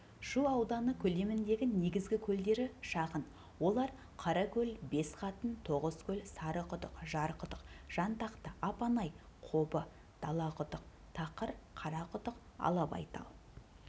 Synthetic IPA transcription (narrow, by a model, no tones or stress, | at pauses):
ʃuɑwd̪ɑnəkʲʰɵle̞mɪnd̪e̞ɡʲɪne̞ɡʲɪzɡʲɪkʲʰɵld̪e̞ɾɪʃɑʁən | wo̞lˠɑɾ | qʰɑɾɑkʲʰɵlbe̞sqʰɑt̪ənt̪ʰo̞ʁəzkʲʰɵlsɑɾəqʊt̪əqʒɑɾqʰət̪əqʒ̥ɑnt̪ɑqt̪əɑpɑnɑj | qʰo̞bə | d̪̥ɑlˠɑqʰʊt̪əq̚ | t̪ʰɑqəɾqʰɑɾɑqʰʊt̪əq | ɑ̰lˠɑpɑ̰jt̪ɑ̰lˠ